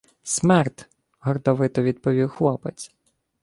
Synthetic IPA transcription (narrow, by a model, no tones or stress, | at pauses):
smɛrt̪ | ɦɔrd̪ɔʋɪt̪ɔʋʲid̪pɔʋʲiwxlˠɔpet͡sʲ